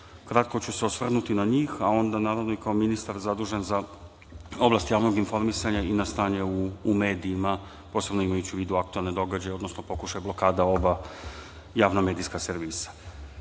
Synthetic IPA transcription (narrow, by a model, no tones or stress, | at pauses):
kɾat̪ko̞t͡ɕuseo̞sʋr̩nut̪inaɲiːxao̞nd̪anaːɾaʋno̞ikaominist̪aɾzad̪uːʒe̞nza | o̞blast̪jaːʋno̞ɡinfo̞ɾmisaɲainast̪aːɲeuːme̞ːd̪iima | po̞se̞bno̞imajut͡ɕiuʋiːd̪uak̚t̪uelˠned̪o̞ɡad͡ʑajeo̞d̪nosnopo̞kuʃajeblo̞kaːd̪ao̞ba | jaːʋname̞ːd̪iskaseɾʋiːsḁ